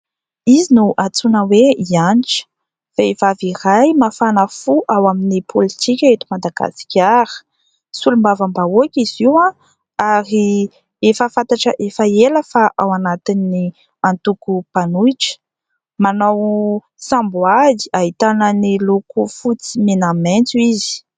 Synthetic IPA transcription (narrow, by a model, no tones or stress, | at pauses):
izinuʔat͡sunəweianiʈ͡ʂə̥ | faevavirajmafanəfuʔawaminipʰolit̪ʰikʲaet̪imad̪aɡ̥a̰si̥kʲaɾə̥ | sulumbavambaokʲiziwã | aɾi | efəfant̪aʈ͡ʂəʔefəeləfaʔawanat̪inːi | ant̪ukupanuiʈ͡ʂə̥ | manaw | sãmbuaziaɦit̪anənilukufut͡simenament͡suizi̥